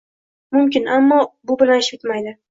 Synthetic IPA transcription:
mʊmkʲɪnamːɒbʊbɪlanɪʃɪt̪majd̪ɪ

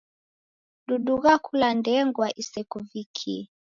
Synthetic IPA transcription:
ɗuɗuɣakʰulandɛŋɡwaʔisɛkuvikʰi

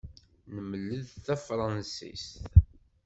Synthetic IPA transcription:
nəməlːəðθæfɾˤɑnsḭst̪

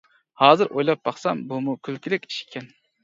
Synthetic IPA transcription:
hɑːzɨɾʔojlˠɑp̚bɑχsɑmbumukʲʰylkʲilɪkʲi̥ʃɪ̥kʲʰːɛn

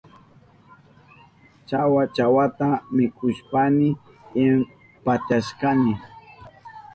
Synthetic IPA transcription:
t͡ʃawat͡ʃawat̪amɪkʰʊʃpanɪ | ɪm | pat̪aʃkanɪ

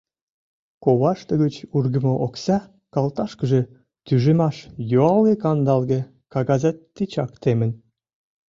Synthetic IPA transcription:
koβɑʃt̪ə̆ɣət͡ɕurɡə̆moʔoksɑ | kɑlt̪ɑʃkə̆ʒĕ | t̪yʒemɑʃjoɑlɡekɑnd̪ɑlɣĕ | kɑɣɑzɑtːit͡ɕɑkt̪emə̆n

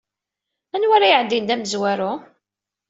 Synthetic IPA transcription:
ænwaɾajʕəd̪ind̪æməzwæɾʊ

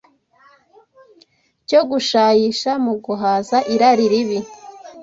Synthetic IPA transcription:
coɡuʃaːjiʃamuɡuɦaːzaʔiɾaɾiɾiβi

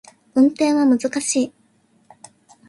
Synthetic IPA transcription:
ɯ̟̃nt̪ẽ̞ɰ̃βamɯ̟zɨkaɕiː

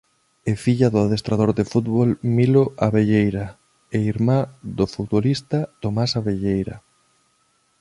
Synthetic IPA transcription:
efiʎaðʊaðest̪ɾaðoɾðefut̪βolmiloʔaβeʎejɾa | eiɾmad̪ofut̪̚βolist̪ɐt̪omasaβeʎejɾa

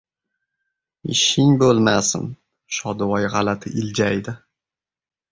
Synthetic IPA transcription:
ɪ̰ʃɪŋbolˠmasɪ̰n | ʃɒd̪wɒjʁɑlat̪ʰɪʔɪld͡ʒajd̪ɪ

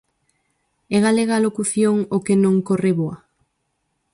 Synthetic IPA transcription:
ɛɣ̞aleɣaːlokuθjoŋokenõŋkoreβoa

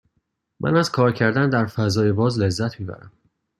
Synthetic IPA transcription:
mʔæ̰næzkʰɒːɾcʰæɾd̪ænd̪æɾfæzɒːjebɒːzle̞zːæt̪ʰmiːbæ̰ɾæ̰m

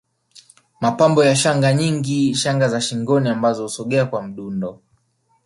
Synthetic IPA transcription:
mapambɔjaʃaŋɡaɲiŋɡiʃaŋɡazaʃiŋɡɔniambazɔhusɔɠɛakwam̩ɗundɔ

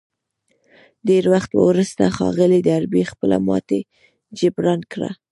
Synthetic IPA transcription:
deɾwaxt̪wə̰wɾəst̪axɑ̰ɣəlid̪əaɾbixpəla̰mɑ̰t̪e | d͡ʒɪbɾɑnkɽa̰

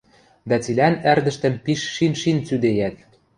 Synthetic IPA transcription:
d̪æt͡silʲænærd̪ɘ̆ʃt̪ə̆mpiʃːinʃint͡syd̪ejæt̪̚

